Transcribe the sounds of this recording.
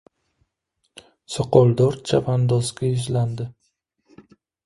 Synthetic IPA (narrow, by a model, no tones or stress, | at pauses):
soqɒlˠd̪ɒɾt͡ʃʰapʰand̪ɒsɡʲaɪʒland̪ɪ